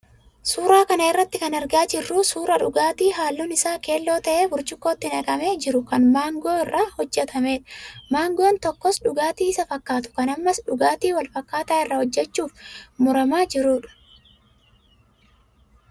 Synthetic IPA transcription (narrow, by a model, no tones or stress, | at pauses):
suːɾaːkɐnɐɪrːɐt̪ːɪkɐnɐɾɡaːd͡ʒɪrːuːsuːɾɐᶑʊ̰ɡaːt̪iːɦaːlːuːnɪsaːke̞ːlːo̞ːt̪ɐʔe̞ːbʊɾt͡ʃɪkːo̞ːt̪ːɪnɐɡɐme̞ːd͡ʒɪɾʊkɐnmaːŋɡoːɪrːaːhɔd͡ʒːɛt̪ʰɐme̞ːᶑɐ̥maːŋɡoːnt̪ɔkːɔsᶑʊɡaːt̪iːɪsɐfɐkːaːt̪ʊ̥kɐnɐmːɐsᶑʊɡaːt̪iːwɐlfɐkːaːt̪aːɪrːɐhɔd͡ʒːɛt͡ʃːuːfmʊɾɐmaːd͡ʒɪɾuːᶑɐ̥